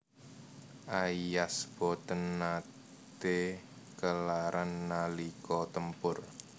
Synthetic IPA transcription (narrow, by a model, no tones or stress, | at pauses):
ʔaijasb̥ɔt̪ənːa | t̪e | kəlaɾanːalikɔt̪əmpʊr